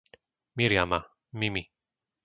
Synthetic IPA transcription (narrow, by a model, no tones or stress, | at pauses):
miɾjama | mimi